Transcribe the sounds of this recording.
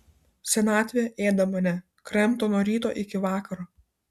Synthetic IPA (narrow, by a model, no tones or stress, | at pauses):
sʲɛnɑːt̪ʲʋʲeʔeːd̪ɐmɐnʲɛ | kɾʲɛmt̪oːnoːɾʲiːt̪o̰ːʔɪkʲɪʋɑːkɐɾoː